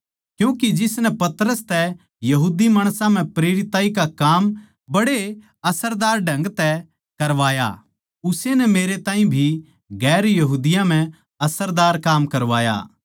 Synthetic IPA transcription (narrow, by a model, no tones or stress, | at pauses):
kjũːkid͡ʒɪsnɛpɐt̪ɾəst̪ɛ | jɐɦuːd̪imaːɽ̃sãm̤ɛ̃pɾeːɾɪt̪aːikakaːm | bɐɽe | ɐsəɾd̪aːɾɖʱɐ̃ŋɡt̪ɛ | kɐɾʋaːja̰ | ʊsenɛmeːɾet̪ãːɦĩbʱi | ɡɛːɾjɐɦuːd̪ɪjãm̤ɛ̃ | ɐsəɾd̪aːɾkaːmkɐɾʋaːja̰ː